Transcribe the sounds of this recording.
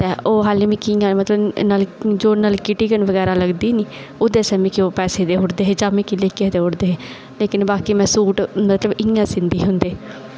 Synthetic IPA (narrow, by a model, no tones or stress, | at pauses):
t̪ɛːʔoːɦaːliːmĩːkijãːmət̪ləbnəld͡ʒoːnəlkɪʈiːkənʋəɡɛːɾaːləɡd̪iːniː | od̪eːsɛːmĩːkɪoːpɛːseːt̪eːɦʊʈd̪eːɦeːd͡ʒaːmĩːkileːkɪeːt̪eːɦʊɽd̪eːɦeː | leːkɪnbaːkiːmɛ̃ːsuːʈmət̪ləbɪjãːsɪ̃nd̪iːɦʊnd̪eː